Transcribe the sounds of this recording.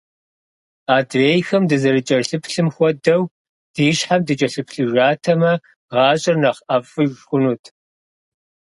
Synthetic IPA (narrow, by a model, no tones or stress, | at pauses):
aːdreːjxɐmdɨzɐrɨt͡ʃʼɐrɬɨpʰɬɨmxʷɔdɐw | d̥iːɕħamdɨt͡ʃʼɐɬɨpʰɬɨʒaːtʰɐmɐ | ʁɑːɕʼɪrnɐχʔɐfɨʒxʷʊnuːtʰ